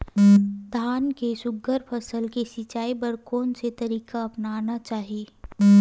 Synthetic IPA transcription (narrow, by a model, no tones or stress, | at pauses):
d̪ʱaːnkesʊɡəɾpʰəsəlkesɪt͡ʃaːipəɾkoːnset̪ɐɾiːkaɐpnaːnat͡ʃaːɦieː